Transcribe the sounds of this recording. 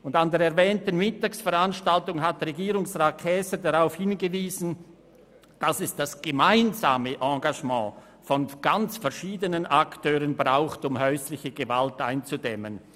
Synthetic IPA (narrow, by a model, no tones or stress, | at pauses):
ʊndandeːɐɾɛʁvɛːntən̩mɪtaːksfɛʁanʃtaltʊŋɦatʁeɡiːʁʊŋsʁaːt̚kʰɛːsədaʁaʊfhɪnɡəviːzn̩ | d̥asɛsd̥asɡ̥əmaɪnzaːməʔɑ̃ɡaʒmɑ̰̃ː | fɔnɡ̥ant͡sfɛɐʃiːdənənʔaktʰøːʁənbʁaʊxtʊmɦœʏslɪçəɡəvaltaɪnt͡sudɛmə̰n